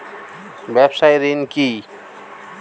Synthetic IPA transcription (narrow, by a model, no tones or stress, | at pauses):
bebsajɾinki